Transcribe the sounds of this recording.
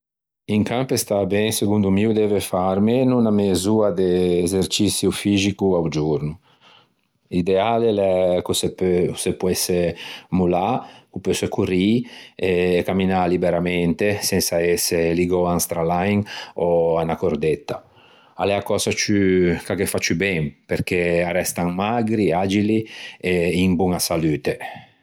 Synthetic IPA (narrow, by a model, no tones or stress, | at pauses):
iŋkampest̪abɛŋseɡund̪umiud̪ɛvefaɾmenunamezuad̪eːzeɾt͡ʃisjufizikuawd͡ʒuɾnu | id̪ealelɛkusepsepwɛsemulakupøsekuɾieːkamːinalibeɾamɛnt̪esɛnsaɛseliɡoaŋst̪ɾalajŋɔanakoɾd̪ɛt̪ːa | alɛakɔːsat͡ʃykakefat͡ʃybɛmpeɾk̟earɛst̪aŋmaɡɾiad͡ʒilieimbuŋasalyːt̪e